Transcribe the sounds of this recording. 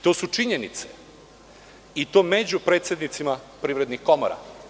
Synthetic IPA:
t̪o̞ːsut͡ʃiɲenit̪se | it̪o̞ːmed͡ʑupɾet̪sjed̪nit̪simapɾiːʋɾed̪nixko̞mo̰ɾa̰

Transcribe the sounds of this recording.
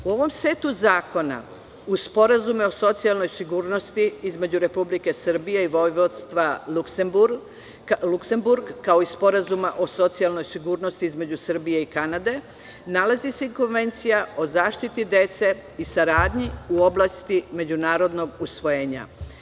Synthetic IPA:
uo̞ʋo̞msʋe̞ːt̪uzaːko̞na̰ | uspo̞ɾazumeo̞so̞t̪sialˠno̞jsiɡuːɾno̞st̪iizme̞d͡ʑuɾe̞publike̞sr̩bijeiʋo̞jʋod̪st̪ʋaluksembuɾ | lukse̞mbuɾɡkːao̞ispo̞ɾazumaʔo̞so̞t̪sialˠno̞jsiɡuːɾno̞st̪iizme̞d͡ʑusr̩bije̞ikanad̪e̞ | nalazise̞iko̞nʋe̞nt̪sijao̞zaːʃt̪it̪id̪e̞t̪se̞isaɾaːd̪ɲiuo̞blˠast̪ime̞d͡ʑunaːɾo̞d̪no̞ɡusʋo̞jeːɲa̰

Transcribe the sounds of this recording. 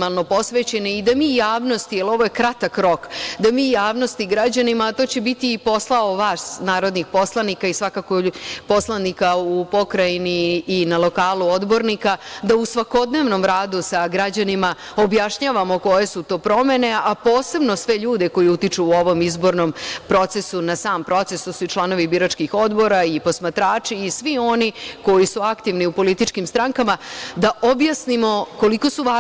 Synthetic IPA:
malˠno̞po̞sʋet͡ɕeneid̪amiːjaːʋnost̪ijelo̞ʋo̞jekɾat̪akɾo̞kd̪amiːjaːʋno̞st̪iɡɾad͡ʑanimat̪o̞ːt͡ɕebit̪iːpo̞slˠaoʋasnaːɾo̞d̪nixpo̞slˠanikaisʋakakopo̞slˠanikaupo̞kɾainiːnalˠo̞kaːluo̞d̪bo̞ɾnikad̪ausʋako̞d̪ne̞ːʋno̞mɾaːd̪usaɡɾad͡ʑanima | objaʃɲaːʋamo̞ko̞je̞sut̪o̞ːpɾo̞me̞ne̞apo̞ːse̞bno̞sʋe̞ʎuːd̪e̞ko̞jiut̪it͡ʃuːo̞ʋo̞mizbo̞ɾnompɾo̞t̪se̞sunasaːmpɾo̞t̪sest̪osuit͡ʃlˠano̞ʋibiɾat͡ʃkixo̞d̪bo̞ɾaipo̞smat̪ɾaːt͡ʃiːsʋio̞niko̞jisuakt̪iʋniupo̞lit̪it͡ʃkimst̪ɾaŋkamad̪aʔobjasnimo̞ko̞liko̞suʋa

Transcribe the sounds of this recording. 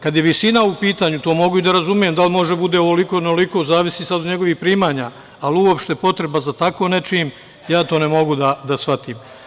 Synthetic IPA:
kad̪jeʋisinaupiːt̪aːɲut̪o̞ːmo̞ɡuid̪aɾazumije̞md̪almo̞ʒebud̪e̞oʋoliko̞nooliko̞zaːʋisiːsad̪od̪ɲe̞ɡo̞ʋiːxpɾiːmaːɲaː | luopʃt̪e̞po̞t̪ɾe̞bazat̪ako̞ne̞t͡ʃiːm | jaːt̪o̞ːnemo̞ɡud̪ad̪asʋat̪iːm

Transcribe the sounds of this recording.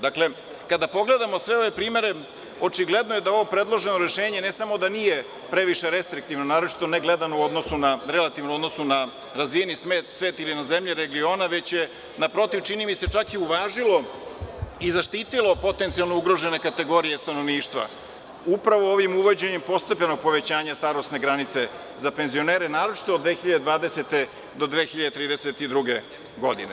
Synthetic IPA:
d̪akle̞ | kad̪apo̞ɡle̞d̪amosʋe̞o̞ʋe̞pɾiːme̞ɾe̞ | o̞t͡ʃiɡle̞d̪nojed̪ao̞ʋo̞pɾe̞d̪lˠo̞ʒenoɾe̞ʃeːɲe̞nesamo̞d̪anije | pɾe̞ʋiʃe̞ɾe̞st̪ɾik̚t̪iʋnonaːɾo̞t͡ʃi̥t̪o̞neɡle̞d̪anouo̞d̪nosunaɾe̞lat̪iʋnomo̞d̪nosuna | ɾazʋijenismeːt̪sʋe̞ːt̪ilinaze̞mʎeɾeɡio̞ːnaʋe̞t͡ɕje | napɾo̞t̪iʋt͡ʃinimise̞t͡ʃakiuʋaːʒilo̞ | izaʃt̪iːt̪ilo̞po̞t̪e̞nt̪sialˠnouɡɾo̞ʒene̞kat̪e̞ɡo̞ɾije̞st̪ano̞ʋniːʃt̪ʋa̰ | upɾaʋo̞oʋimuʋod͡ʑeɲempo̞st̪epʎeno̞ɡ̚po̞ʋe̞t͡ɕaːɲast̪aɾost̪ne̞ɡɾanit̪se̞ | zape̞nzio̞neːɾenaːɾot͡ʃi̥t̪o̞ːd̪ʋexiʎad̪ed̪ʋaːd̪e̞set̪e̞ | d̪o̞d̪ʋexiʎad̪et̪ɾiːd̪eset̪id̪ɾuɡe̞ | ɡo̞d̪ḭne

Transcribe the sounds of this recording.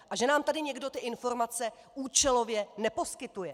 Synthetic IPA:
ʔaʒɛnaːmt̪adɪɲɛɡdo̞t̪ɪʔɪnfo̞ɾmat͡sɛ | ʔuːt͡ʃɛlo̞vjɛnɛpo̞skɪt̪ujɛ

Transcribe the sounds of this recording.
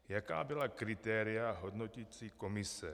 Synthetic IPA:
jaka̰ːbɪlakɾɪt̪ɛːɾɪaɦo̞dno̞cit͡siːko̞mɪsɛ

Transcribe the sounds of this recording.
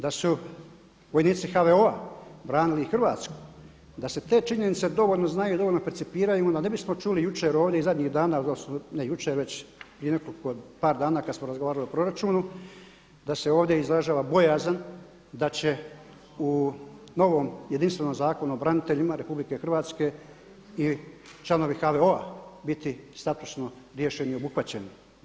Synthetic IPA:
d̪asu | ʋo̞jniːt̪sixaʋeoabɾaːniliixr̩ʋaːt̪sku̥ | d̪ase̞t̪e̞ːt͡ʃiɲe̞nit̪sed̪o̞ʋoʎno̞znajuid̪ooʎʲnopeɾt̪sipiːɾajud̪ane̞bismo̞t͡ʃuːlijut͡ʃeɾo̞ːʋd̪jeizad̪ɲiːɣd̪aːnalasmonejut͡ʃeɾʋe̞t͡ɕpɾie̞ne̞koliko̞paːɾd̪aːnaːkad̪smo̞ɾazɡoʋaːɾaliopɾo̞ɾat͡ʃuːnu | d̪ase̞oːʋd̪je̞izɾaʒaːʋabo̞jaːzan | d̪at͡ɕe̞ | u | no̞ʋo̞ːmjed̪inst̪ʋe̞no̞mzaːko̞nuobɾanit̪e̞ʎimaɾe̞publike̞xrʋaːt̪ske̞ | it͡ʃlˠano̞ʋixaʋeo̞abit̪ist̪at̪u̥sno | ɾje̞ʃeniio̞buxʋat͡ɕe̞ni

